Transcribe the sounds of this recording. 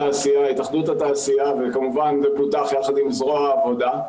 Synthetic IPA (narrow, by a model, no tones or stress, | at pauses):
aːsijahitaχd̪uthataːsijavekamuvanbeputaχjaχad̪imzʁoaːvo̞d̪a